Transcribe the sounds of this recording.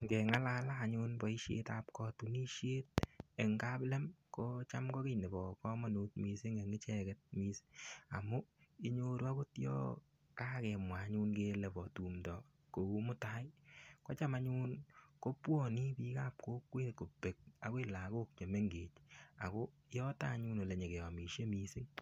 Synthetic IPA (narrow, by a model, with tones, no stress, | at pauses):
ŋɡɛ˨ŋa˦laː˦laː˦˨ɲuː˦nbɔ˨i˦ʃḛ˦tap̚kɔ˨tu˨ni˦ʃje˦t̚e˨ŋɡa˦plɛ˦mko˦t͡ʃa˦mɡɔ˦ke˦˨ne˨bɔ˨kɔ˦mɔ˦nu˨˦t̚mi˧sɪ˦ŋe˨ŋɪ˦t͡ʃɛ˦kɛ˨t̚mi˦sa̰˨mu˦i˦ɲo˧ɾu˦a˦ko˦tjɔ̰ː˦ | kaː˦kɛ˨mwa˨˦ɲu˦nke˦lɛ˨bɔ˨tu˨mtɔ˨ | ko˨u˦mʊ˦ta˦jko˦t͡ʃa˦ma˨ɲuː˦nko˦pwɔ˦˨ni˦pi˦ka˦p̚koː˦kweː˦tko˨pe˨k̚a̰˨kwe˦la˨ko˦k̚t͡ʃe˨me˦ŋɡe˨t͡ʃa̰˨ko˦ | jɔ˦taː˦ɲuː˦no˨le˨ɲe˨ke˨ɔ˨mi˨ʃje˦mi˨sɪ˦ŋ